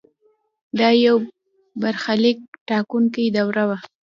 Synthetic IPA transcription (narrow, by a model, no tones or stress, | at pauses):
d̪ɑjaw | baɾxalɪk̚ʈɑkunkajd̪awɾawa